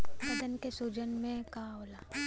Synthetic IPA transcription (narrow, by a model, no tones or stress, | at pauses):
mɐd̪ənkesuːd͡ʒənmẽkaɦoːlaː